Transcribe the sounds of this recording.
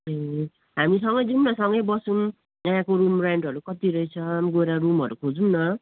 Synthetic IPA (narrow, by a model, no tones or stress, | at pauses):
e | ɦamisʌŋɡʌjd͡zumnʌsʌŋɡʌjbʌsun | ãkoɾumraɳɖɦʌɾukʌt̪iɾʌjt͡sʰʌmɡoɾarumʌɾukʰod͡zumnʌ